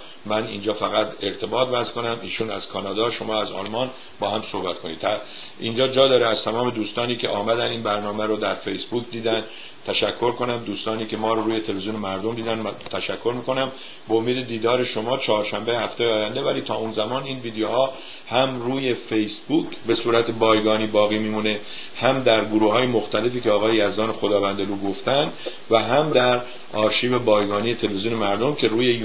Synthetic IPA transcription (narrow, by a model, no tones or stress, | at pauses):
mænḭːnd͡ʒɒːfæɣæt̪e̞ɾt̪ʰe̞bɒːt̪væzko̞næmiːʃuːnæz̥kʰɒːnɒːd̪ɒːʃo̞mɒːæzɒ̰lmɒːn | bɒːhæmso̞hbæt̪ko̞niːd̪æ | ind͡ʒɒːd͡ʒɒːd̪ɒːɾeæz̥t̪ʰæmɒːme̞d̪uːst̪ɒːniːcʰe̞̰ʔɒːmæd̪æniːnbæɾnɒːmæɾod̪æɾfejsbuːkd̪iːd̪ænd̪ | t̪ʰæʃækʰːo̞ɾko̞næmd̪uːst̪ɒːniːkʰe̞mɒːɾoɾuːje̞t̪ʰe̞leeziuːnemæɾd̪omd̪iːd̪ænt̪ʰæʃækʰːo̞ɾmiːko̞næm | beomiːd̪e̞d̪iːd̪ɒːɾe̞ʃo̞mɒːt͡ʃʰɒːɾʃæmbejehæft̪ejɒːjænd̪ebæɾiːt̪ʰɒːuːnzæmɒːniːnviːd̪ejohɒː | hæmruːje̞fejsbuːkʰbe̞suːɾæt̪ʰe̞bɒːjɡɒːniːbɒːɣiːmiːmuːne̞ | hæmd̪æɾɡoɾuːhɒːje̞mo̞xt̪æle̞fiːcʰeɒːɣɒːjejæzd̪ɒːnexo̞d̪ɒːvænd̪eluːɡo̞ft̪ænd̪ | væɦæmd̪æɾ | ɒːɾʃiːbe̞bɒːjɡɒːniːje̞t̪ʰelevezjuːnemæɾd̪o̞mcʰe̞ɾuːje